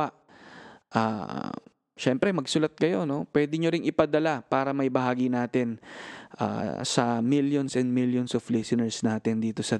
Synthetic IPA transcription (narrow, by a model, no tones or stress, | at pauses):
aʔ | ʔa̰ː | ʃɛmpɾɛmɐɡsʊlɐt̪̚kɐjo̞no̞pwɛːd̪ɪɲoɾɪŋʔɪpɐd̪ɐlapaːɾɐmɐjbɐɦaːɡɪnaːt̪ɪnʔa̰ːsɐmiljonsɛnd̪̚miljonsoflɛsɪnɛɹsnaːt̪ɪnd̪iːt̪o̞sɐ